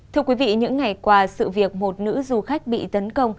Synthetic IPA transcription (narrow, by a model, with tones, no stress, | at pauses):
t̪ʰɨ˧əkwi˨˦vḭ˧˨ɲɨ̰˧˥ŋːa˨˩jkwaː˧sɨ̰˧˨vi˨˩ək̚mo˨˩t̚nɨ̰˧˥zu˨˩xa˦˥k̟̚ɓḭ˧˨t̪ə˨˦nkə˧wŋ͡m